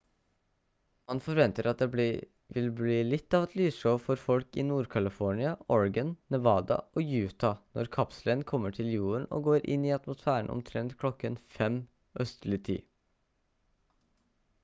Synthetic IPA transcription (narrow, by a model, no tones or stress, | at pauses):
mɑnfɔɾʋɛnt̪əɾɑt̪̚d̪ɛ | ʋɪlbliːlɪt̪ːɑːʋɛt̪ʰlyːʂoːfɔɾfɔlkɪ̰nuːɾkʰɑlɪfɔɳɪɑɔɹɡənːɛʋɑːd̪ɑ̰ʔoːjʉːt̪ʰɑnɔ̰ɾkʰɑpslənkʰɔmːəʈʰɪljuːɾəɳɔ̰ɡoːɾʔɪ̰nːiːɑt̪mʊsfæːəɳ̩ɔ̰mt̪ʰɾɛnt̪kʰlɔkːənfɛm | ʔœst̪lɪt̪ʰḭː